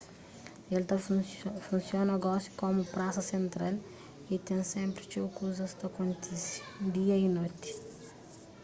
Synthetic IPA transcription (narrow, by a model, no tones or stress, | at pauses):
elt̪ɐfũnsjõnɐɡɔsju̥komupɾasɐsẽnt̪ɾal | it̪ẽsẽmpɾit͡ʃewkuzɐst̪ɐkõnt̪isi̥d̪iɐinojt̪i̥